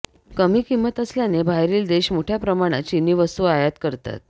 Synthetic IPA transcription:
kəmiːkimːət̪əsljanebʱajɾiːld̪eɕmoʈʰjapɾəmaɽ̃at͡ɕinːiːʋəst̪uajət̪kəɾt̪a̰t̪̚

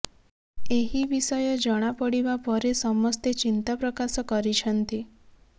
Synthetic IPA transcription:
eɦiʋisəjod͡ʒəɽ̃apəɽiʋapəɾesɔmɔst̪et͡ʃint̪apɾəkasɔkəɾit͡ʃʰənt̪i

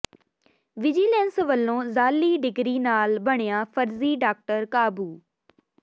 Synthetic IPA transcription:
ʋɪd͡ʒiːlɛnsʋəlːõːzaːlːiːɖɪɡɾiːnaːlbəɳ̃ejaːpʰəɾziːɖaːk̚ʈəɾkaːbuː

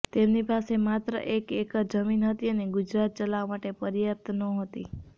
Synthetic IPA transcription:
t̪emnipasemat̪ɾə̰ʔekekd͡ʒəminɦət̪iəneɡʊd͡ʒɾat̪̚t͡ʃəlaʋmaʈepəɾjəp̚t̪nə̃ɦət̪i

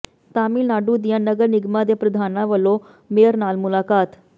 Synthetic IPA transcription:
t̪aːmiːlnaːɖuːd̪ɪjãːnəɡəɾnɪɡmãːd̪eːpɾəd̪ʱaːnãːʋəlːõː | meːəɾnaːlmʊlaːkaːt̪

